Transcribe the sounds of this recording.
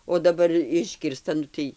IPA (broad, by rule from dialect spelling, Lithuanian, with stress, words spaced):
oː dɐˈbɐr ˈɪʃʲkʲɪrstɐ ˈnʊ tɐɪ